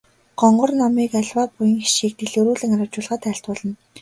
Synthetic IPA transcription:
ɢ̥ɔɴɢɞ̆rnɔmiːkaɮʲwaːpujə̆ŋxiʃiːk̚t̪eɮɵɾuːɮɘ̆ŋaɾăt͡ɕʊːɮʁaːt̪ʰæːɬt̪pʊːɮə̆n

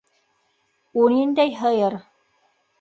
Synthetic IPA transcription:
unind̪æjɦɤjɤɾ

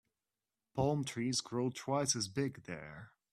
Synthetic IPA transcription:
pʰɑlˠmtʰɹ̥izɡɹoʊtʰw̥aɪsɨzbɪɡðə̰˞

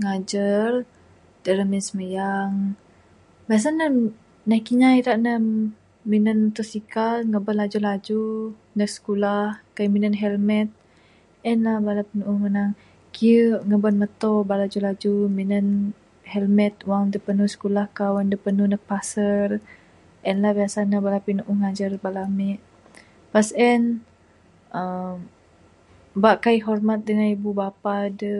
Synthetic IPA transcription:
ŋad͡ʒər | d̥əɾəminsəməjaŋ | bas̬anə | nakiɲajɾaʔnə | minənt̪usikalŋəbənlad͡ʒulad͡ʒu | nək̚sə̥kulahkaminənɦɛlmɛt̪̚ | ɛnlabalapənuʔŋənaŋ | kiəŋəbənmət̪ɔbalad͡ʒulad͡ʒuminən | hɛlmɛt̪̚waŋdəpənusə̥kulahkawandəpənunək̚pasər | ʔɛnlahbiasanabalapinuʔuŋad͡ʒərbalamɛʔ | pasɛn | əm | baʔkaiɦɔrmat̪̚dəŋanibubapadə

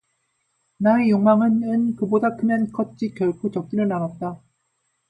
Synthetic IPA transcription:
naejoŋmaŋɯnɯnkɯbodakɯmjʌnk͈ʌt̚t͡ɕ͈ikjʌɭkʰot͡ɕʌk̚k͈iɾɯɭnaŋat̚t͈a

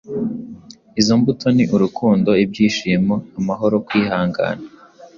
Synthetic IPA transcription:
izombutʰo̞niʔuɾukʰuːndo̞ib̚ɟiːʃimoamaɦo̞ɾo̞kwiːhaːŋɡa̰ːna

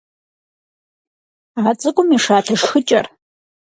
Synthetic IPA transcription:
aːt͡sʼɨkʷʼʊmiːʂaːɬʰɨʂxɨt͡ʃʼɐr

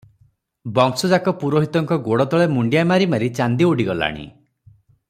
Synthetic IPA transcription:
bɔŋsɔd͡ʒakɔpuɾoɦit̪ɔŋkɔɡoɽɔt̪ɔɭemuɳɖijamaɾimaɾit͡ʃand̪ioɽiɡɔla̰ɽ̃ḭ

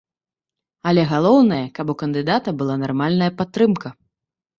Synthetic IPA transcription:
ɐlʲɛɣalˠɔwnɐjɐkabukɐnd̪ɨd̪at̪ɐbɨlˠanarmalʲnɐjɐpat̪ːɾɨmkɐ

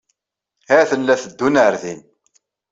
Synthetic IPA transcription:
hæθənːæθəd̪ːunəɾðin

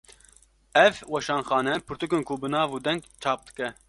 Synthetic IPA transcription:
ɛvwɛʃɑːnxɑːnɛpʰɨɾt̪ukɨnkʰubɨnɑːvuːd̪ɛŋɡt͡ʃʰɑːp̚d̪ɨ̥kɛ

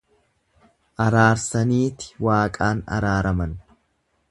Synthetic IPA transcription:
ʔɐɾaːɾsɐniːt̪ɪ̥waːkʼaːnɐ̰ɾaːɾɐmɐn

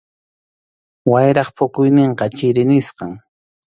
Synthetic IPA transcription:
wajɾɑχpʊkʊjnɪɴqɑt͡ʃɪɾɪnɪsqɑŋ

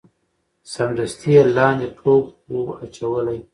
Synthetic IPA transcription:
samd̪ast̪ʰialɑnd̪eʈʰoɡ | oat͡ʃawəlaj

